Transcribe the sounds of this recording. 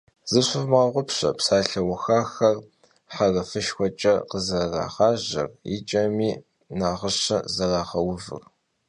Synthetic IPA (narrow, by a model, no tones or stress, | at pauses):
z̥ɨɕʷʊvmaʁʷʊpɕʷɐ̰psaːɬɐwɐxaːxɐr | ħarɐfɨʃxʷɔt͡ʃʼɐ̰qəzɐra̰ːʁɑːʒɐ̰rɪ̰t͡ʃʼɐmiː | naːʁəɕɐzɐraːχɐwʊvɨ̰r